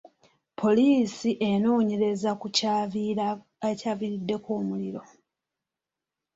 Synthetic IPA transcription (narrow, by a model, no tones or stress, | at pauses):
pʰo̞liːsiʔe̞no̞ːɲe̞ɾe̞zakucavia | ecaːviɾidːe̞ko̞ːmuliɾo̞